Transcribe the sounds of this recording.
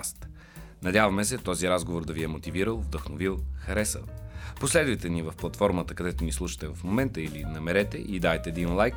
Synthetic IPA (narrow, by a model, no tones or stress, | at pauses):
st̪ | nɐd̪ʲavɐmɛsɛt̪ɔziɾazɡovoɾd̪ɐviɛmot̪iviɾəlˠvd̪əxnovilˠxɐɾɛsə̰lˠposlɛd̪vəjt̪ɛnivɐfplˠɐt̪fɔɾmət̪əkɐd̪ɛt̪onislˠuʃə̥t̪ɛvɐfmomɛnt̪əilinɐmɛɾɛt̪ɛʔid̪aɛt̪ɛːd̪inlˠajk